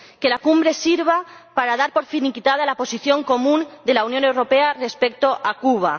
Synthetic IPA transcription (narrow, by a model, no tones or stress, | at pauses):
ke̞lakumbɾe̞siɾβ̞apaɾaðaɾpo̞ɾfinikit̪aðalapo̞siθjo̞ŋko̞mũnd̪e̞launjo̞ne̞wɾo̞peare̞spe̞k̚t̪o̞ʔakuβ̞a